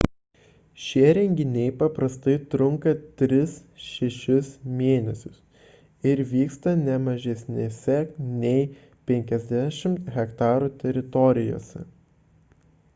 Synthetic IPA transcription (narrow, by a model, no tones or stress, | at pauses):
ʃʲiɛɾʲɛŋʲɡʲɪnʲɛɪpɐpɾɐst̪ɐɪt̪ɾʊŋkɐt̪ʲɾʲɪsʃʲɛʃʲɪsmʲeːnʲɛsʲʊs | ɪɾʋʲiːkst̪ɐnʲɛmɐʒʲɛsʲnʲesʲɛnʲɛɪ | pʲɛŋʲkʲɛzʲd̪ʲæʃʲɪmt̪ɣʲɛkt̪ɑːɾuːt̪ʲɛɾʲɪt̪ɔɾʲɪjo̰ːsʲɛ̰